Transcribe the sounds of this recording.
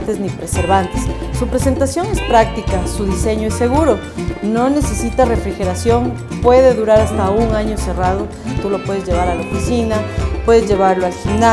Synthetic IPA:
t̪e̞znipɾese̞ɾβant̪esːupɾe̞se̞nt̪asjo̞ŋespɾak̚t̪ikasuðise̞ɲoesːe̞ɣuɾo̞ | no̞ne̞se̞sit̪are̞fɾixe̞ɾasjo̞ŋ | pwe̞ð̞e̞ðuɾaɾast̪auŋaɲo̞se̞rað̞o̞ | t̪ulo̞pwe̞ðezʝe̞βaɾalaofisinapwe̞ðezʝe̞βaɾloalfina

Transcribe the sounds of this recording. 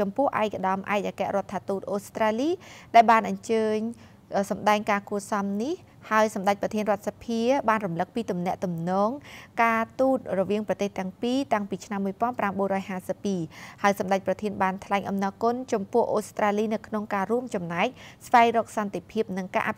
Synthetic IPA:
t͡ɕɑmpʊ̆əhʔa̰ɛk̚aɗɑmʔaɛc̚ʔaːkɛ̆əʔrŏət̪ʰːaːt̪uːt̪̚ʔoːst̪raːliːɗaɛlɓaːnʔɑɲt͡ɕəːɲ | sɑmɗaɛŋkaːkuəsɑmnih | haəjsɑmɗac̚prɑt̪ʰiənrŏət̪̚sapʰiəɓaːnrumlɨk̚piːt̪umnɛ̆əʔt̪umnɔːŋkaːt̪uːt̪̚rɔʋiəŋprɑt̪eːht̪ɛ̆əŋpiːt̪aŋpiːt͡ɕʰnamːuəjpŏənpramɓuənrɔːjhaːsəpːiːhaəjsɑmɗac̚prɑt̪ʰiənɓaːnt̪ʰlaɛŋʔɑmnɑːkʊnt͡ɕɑmpʊ̆əhʔoːst̪raːliːnɨwkʰnoŋkaːruəmt͡ɕɑmnaɛk̚sʋaɛŋrɔːk̚sɑnt̪epʰiəp̚nɨŋka̰ːʔapʰ

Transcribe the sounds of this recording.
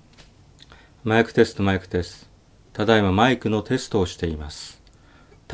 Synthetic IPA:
maikɯ̟̥t̪e̞sɨ̥t̪o̞maikɯ̟̥t̪e̞sɨ̥ | t̪ad̪aemamaikɯ̟no̞t̪e̞sɨ̥t̪o̞ːɕi̥t̪e̞imasɨ̥ | t̪

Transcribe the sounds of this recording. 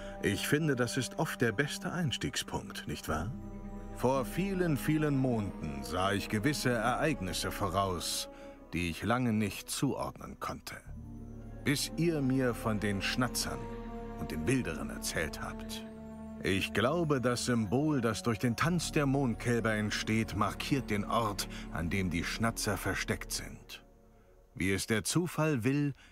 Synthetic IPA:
ʔɪçfɪndədasɪstʔɔft̚d̥eːɐbɛstʰəʔaɪnʃtiːkspʰʊŋktnɪçtv̥aːɐ | foːɐfiːlənfiːlənmoːndn̩zaːɪçɡ̥əvɪsəɛɐʔaɪɡnɪsəfoːʁ̞aʊs | d̥iːɪçlaŋənɪçtt͡suːʔɔ̰ɐdnə̰nkʰɔntʰə̥ | b̥ɪsʔiːɐmiːɐfɔndeːnʃnat͡sɐ̰nʔʊnt̚d̥eːmbɪldəʁə̰nɛ̰ɐt͡sɛ̰ːltha̰ːpt | ʔɪçɡ̥laʊbədasz̥ʏmboːldasd̥ʊɐçd̥eːntʰant͡sd̥eːɐmoːnt̚kʰɛlbɐɛntʃteːtmaʁkʰiːɐt̚d̥eːnʔɔʁtʔa̰ndeːmdiːʃnat͡sɐfɛɐʃtɛktz̥ɪ̰nt | vḭːɛsd̥eːɐt͡suːfalvɪl

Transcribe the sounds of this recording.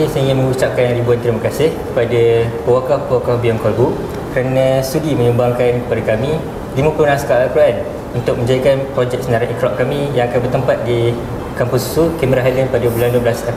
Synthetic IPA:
səɦiŋamə̃ŋut͡ʃap̚kanjaŋɾibuant̪ɾimakasɪhkəpadapəwakɔfpəwakɔfbiɔŋkɔlbu | kəɾanə̃st̪udimə̃ɲumbaŋkankəpadakamĩ | dimə̃punãŋsə̥kalakɾoʔan | unt̪ʊk̚mə̃ɲd͡ʒaikanpɾɔd͡ʒɛk̚sənaɾaʔikɾɔʔ̚kamĩjãŋakanbərt̪əmpat̪̚di | kampusu̥sukemiɾaɦalianpadabəlandubəlasa

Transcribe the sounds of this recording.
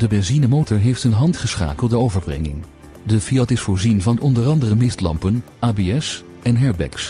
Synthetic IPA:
dəbɛnzinəmowtɔɹɦejftɦənɦɑntχəsχa̰ːkəlˠdəowvəɹbrɛ̰ŋɪ̰ŋ | dəfiɑtɪsfʊːɹzinvɑnɔndərɑndərəmɪstlɑ̰mpən | aːbeɛs | ɛnɦɛɹbɛ̰ks

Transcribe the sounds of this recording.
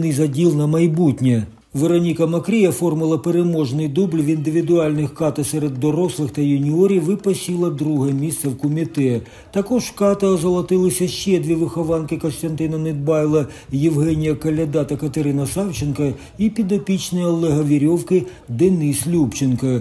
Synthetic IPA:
nɪzɐdʲilˠnɐmɐjbutʲnʲɛ | ʋeɾɔnʲikɐmɐkɾʲijɐfɔrmɪlˠɐpeɾemɔʒnɪjd̪ublʲʋind̪ɪʋʲid̪ʊɑlʲnɪxkɑt̪ɐsɛɾed̪ːɔɾɔslˠɪxt̪ɐjʊnʲiɔɾʲiʋɪpɐsʲilˠɐd̪ɾuɦɛmʲist̪sɛwkɔmʲit̪ɛ | t̪ɐkɔʒkɑt̪ɐzɐlˠɐt̪ɪlˠɪsʲɐʃt͡ʃɛd̪ʲʋʲiʋɪxɔʋɑnkɪkɔnst̪ɐnt̪ɪnɐnɪd̪̚bɑjlˠɐ | jɪwɦɛnʲɪjɐkɐlʲɐd̪ɑt̪ɐkɐt̪eɾɪnɐsɑwt͡ʃɪnkɐ | ipʲid̪ɐpʲit͡ʃnɔjɐlˠɛɦɐʋʲiɾʲɔwkɪ | d̪ɛnɪslʲupt͡ʃɪnkɐ

